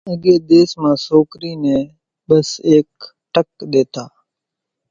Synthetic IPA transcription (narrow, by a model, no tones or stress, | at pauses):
əɡeːd̪eːsmãːsoːkɾiːnẽː | ɓəseːk | ʈək̚ɗ̪eːt̪aː